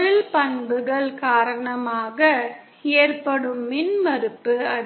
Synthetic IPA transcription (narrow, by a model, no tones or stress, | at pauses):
ɻɯɭpɐɳbɯɣɐɭkaːɾɐɳɐmaːɣɐ | eːɐrpɐɽɯmːɪnmɐɾɯpːɯɐ